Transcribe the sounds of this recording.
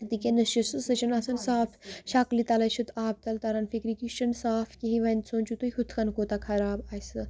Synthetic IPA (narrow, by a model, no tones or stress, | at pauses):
t̪ikʲenɨʃusɨsɨt͡ʃʰɐnɐsɐnsaːfʃɐklit̪ɐlɐt͡ʃʰut̪ʰaːb̚t̪ɐlt̪ɐɾɐnfikɾikiʃt͡ʃɐnsaːfkʲiɦĩʋɐnt̪sʰoːnt͡ʃut̪uhut̪ʰkʰɐnkoːt̪akʰɐɾaːbaːjsɨ